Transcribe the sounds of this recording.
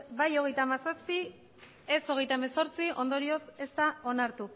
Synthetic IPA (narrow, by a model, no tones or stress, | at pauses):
bajo̞ɣ̞e̞jt̪amasaspi | eso̞ɣ̞e̞jt̪aemeso̞ɾt͡siʔo̞nd̪o̞ɾio̞se̞st̪ao̞naɾt̪u